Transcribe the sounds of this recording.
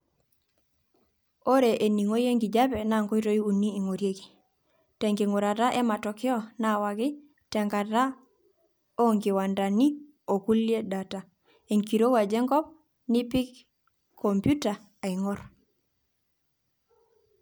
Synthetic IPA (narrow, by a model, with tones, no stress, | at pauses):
o˦ɾe˨ʔe˨ni˨ŋo˦je˦ŋɡi˨d͡ʒa˦pɛ˨na˦˨ŋɡo˦i˦to˦i˦u˨niː˦˨ŋo˨ɾje˦ki̥˨ | tɛ˨ŋɡi˨ŋu˨ɾa˨ta˦ʔɛ˦ma˨tɔ˨kɪ˦ɔ˦na˦wa˨ɡi˦ | tɛ˨ŋɡa˨ta˦ | o˦ŋɡi˨wa˨nda˨ni˦ | o˨ku˦lje˦da˨ta˨ | e˨ŋki˨ɾo˦wa˨d͡ʒɛ˦ŋɡɔ˦p̚ | ni˦pi˦k | kʰːo˨mpju˦ta˨ | a˨i˨ŋɔ˦ɾ